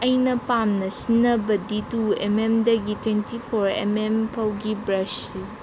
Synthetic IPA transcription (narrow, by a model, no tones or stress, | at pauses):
ɐjnɐpamnɐsinːɐbɐdituḛmemdɐɡitwentipʰoɾḛmempʰɐwɡibɾɐsis